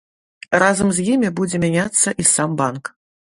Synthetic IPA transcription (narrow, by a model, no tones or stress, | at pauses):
razɐmzʲjimʲibud͡zʲɛmʲanʲat̪sːɐʔisambank